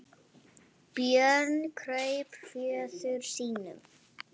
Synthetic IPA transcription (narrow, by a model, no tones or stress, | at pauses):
pjœnkʰɾœɥjpfjɛːðʏɾ̥siːnʏ̰m